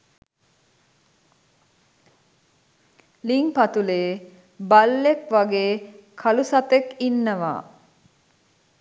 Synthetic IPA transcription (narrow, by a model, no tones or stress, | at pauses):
liŋpat̪ule | balːekʋaɡeːkʰalusat̪ekinːəʋa̰ː